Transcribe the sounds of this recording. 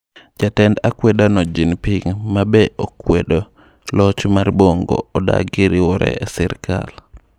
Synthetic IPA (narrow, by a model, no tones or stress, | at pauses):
d͡ʒatɛndakwedanɔd͡ʒinpiŋmabɛʔokwedo | lɔt͡ʃmarboŋɡo̰ɔda̰ɡɪɾiwɔɾɛ̰ɛsɛɾka̰l